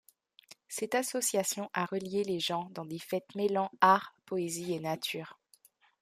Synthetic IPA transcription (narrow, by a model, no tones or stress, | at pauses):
sɛt̪asɔsjasjɔ̃ʔaʁəljeleʒɑ̃d̪ɑ̃d̪efɛt̪melɑ̃aʁpɔezienat̪ʰyːʁ